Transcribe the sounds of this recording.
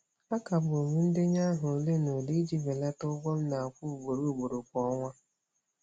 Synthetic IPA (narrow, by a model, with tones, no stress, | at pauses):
a˦ka˨bʊ˨o˨ɲu˦n̩˦dɪ˦ɲa˦ɦʊ˨le˦no˨li˦d͡ʒi˨ve˨la˦tʊ˦ɡ͡bɔ˦m̩˦na˨kʷu˦˨ɡ͡bo˨ɾu˦˨ɡ͡bo˨ɾo˨kʷɔ˦ŋʷa˦